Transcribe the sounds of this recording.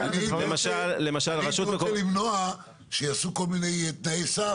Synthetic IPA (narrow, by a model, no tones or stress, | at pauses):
avaemaʃalːemaʃalʁaʃut̪mekolimnoa | ʃejasuko̞lminejt̪naesa